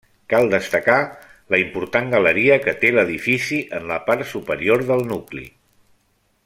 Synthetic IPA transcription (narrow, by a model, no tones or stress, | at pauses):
kalˠd̪əst̪əkaləimpuɾt̪aŋɡələɾiəkət̪eləðifisiʔənləpaɾt̪supəɾioɾðəlˠnuklḭ